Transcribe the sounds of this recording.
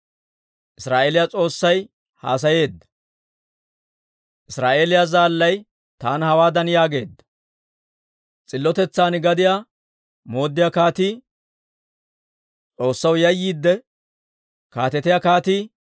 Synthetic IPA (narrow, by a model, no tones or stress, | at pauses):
ʔɪsɾaːʔeːlɪjat͡sʼo̞ːsːɐj | ha̰ːs̬ɐje̞ːd̪ːɐ̥ | ʔɪsɾaːʔe̞ːlɪjaːzaːlːɐj | t̪aːnhɐwaːd̪ɐnjaːɡe̞ːd̪ːɐ̥ | t͡sʼɪlːɔt̪ɛt͡sːaːnɪɡɐd̪ɪjaː | mo̞ːd̪ːɪjakaːt̪iː | t͡sʼo̞ːsːɐwjɐjːiːd̪ːɛ | kaːt̪ɛt̪ɪjakaːt̪iː